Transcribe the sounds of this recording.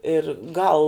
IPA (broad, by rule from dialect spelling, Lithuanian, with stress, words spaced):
ɪr ˈɡɐlˠ